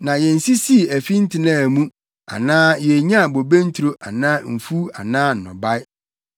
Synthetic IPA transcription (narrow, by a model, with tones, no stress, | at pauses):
nã˨jɛ˨n̩˨si˦si˦˨æ˨fi˦n̩˦tʰɪ˨nãː˦˨mũ˦ | a̰˨nãː˦jɛ˨ɲã˦˨bo˨be˦n̩˦tʰu˨ɾo˦ʔa˨nãː˦m̩˨fu˦a̰˨nãː˦n̩˨nɔ̰̃˨ba˦ɪ˦